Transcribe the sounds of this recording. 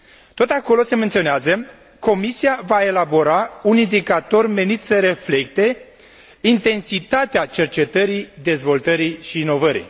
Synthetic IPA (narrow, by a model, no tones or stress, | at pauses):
t̪o̞t̪ako̞lo̞se̞me̞nt̪sio̞neazə | ko̞misiavae̞labo̞ɾaunind̪ikat̪o̞rme̞nit̪səɾe̞fle̞kt̪e̞ | int̪e̞nsit̪at̪eat͡ʃe̞rt͡ʃe̞t̪əɾid̪e̞zvo̞lt̪əɾiʃiːno̞vəɾḭ